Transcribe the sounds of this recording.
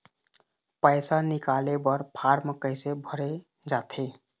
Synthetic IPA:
pəɪsanɪkaːlebəɾpʰaːɾməkəɪsebʱəɾe | d͡ʒaːt̪ʰe

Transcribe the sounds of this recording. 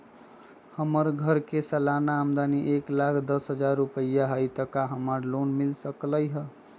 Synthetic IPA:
həməɾɡʱəɾkesəlanaːmd̪aniʔeklakʰd̪əsɦəd͡ʒaɾːupəjaɦəjt̪əkaɦəməɾlonmilsəkləjɦə

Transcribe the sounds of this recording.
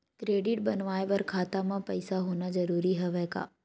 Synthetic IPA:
kɾeːɖɪʈ̚bɐnʋaːeʋɐɾkʰaːt̪amãpɐɪsaɦoːnazɐɾuːɾiɦɛʋɛːka̰ː

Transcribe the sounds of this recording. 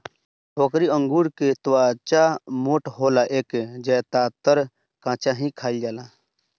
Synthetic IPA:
pokɾiə̃ŋɡuːɾket̪waːt͡ʃamoːʈɦoːlaʔeːkd͡ʒɛt̪aːt̪əɾ | kãːt͡ʃaɦĩkʰaːild͡ʒaːlaː

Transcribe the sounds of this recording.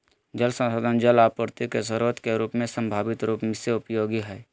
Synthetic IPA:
d͡ʒəlsə̃nsoːd̪ʱənd͡ʒəlaːpəɾt̪ikeʃəɾuːɾət̪keɾuːpmẽsə̃mbʱaːbɪt̪ɾuːpmɪseʊpjoːɡiɦɛː

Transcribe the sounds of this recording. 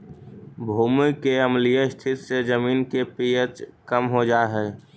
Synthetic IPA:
bʱuːmɪkːeəmlijəɪst̪ʰɪt̪sed͡ʒəmiːnkepijət͡ʃkəmɦod͡ʒaːɦɛː

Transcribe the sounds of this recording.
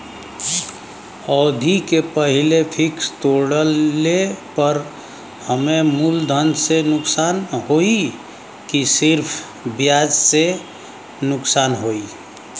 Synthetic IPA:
ɔːd̪ʱikepəɦilepʰɪkst̪oɽəlepəɾ | həmemuld̪ʱənsenʊksaːnɦoi | kisɪɾpʰ | bjaːd͡ʒse | nʊksaːnɦoi

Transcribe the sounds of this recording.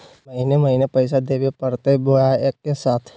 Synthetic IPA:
mɐɦinemɐɦinepɐɪs̬ad̪eːbepɐɾt̪ebojaeːkːesaːt̪ʰ

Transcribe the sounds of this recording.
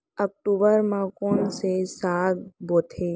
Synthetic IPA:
ək̚ʈuːbəɾmãkoːnsesaːd̪boːt̪ʰe

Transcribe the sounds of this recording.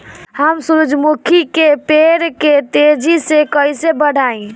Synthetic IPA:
həmsuɾud͡ʒmukʰikep̪eɾket̪ed͡ʒʱisekəjsebəɽ̤ʱaĩ

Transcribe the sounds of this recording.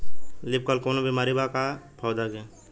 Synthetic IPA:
lɪp̚kəlkoːnobimaːɾibakapʰaːd̪aɡe

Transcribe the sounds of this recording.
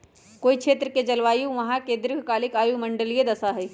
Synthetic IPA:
koːikʃʰeːt̪ɾəked͡ʒɐlʋaːjuʋɐɦãkẽːnd̪ɾɪkʰkaːlɪkaːjumɐ̃ɳɖəlijed̪ɐsaɦɛː

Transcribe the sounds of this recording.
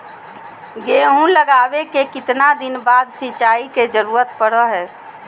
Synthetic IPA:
ɡeɦũləɡaːbekekɪt̪nad̪ɪnbaːd̪sɪt͡ʃaːiked͡ʒəɾuːɾət̪pəɽəɦɛː

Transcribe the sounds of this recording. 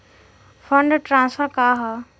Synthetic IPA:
fʰəɳɖʈɾãːnsfəɾkaːɦa

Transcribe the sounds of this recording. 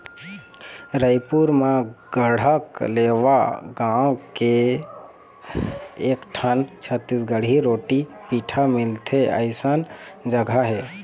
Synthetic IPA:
ɾəɪpuɾmãɡəɽ̤əkleːʋaɡãːõke | kʈʰənt͡ʃʰət̪ːiːsɡəɽ̤iɾoːʈi | piːʈʰamɪlt̪ʰeə̰ɪsənd͡ʒəɡʱaɦɛː

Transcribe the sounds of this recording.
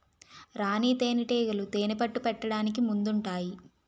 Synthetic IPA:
ɾaːniːt̪eːniʈeːɡɐlut̪eːnipɐʈːupɛʈːɐɽaːnik̬imund̪uɳʈaːji

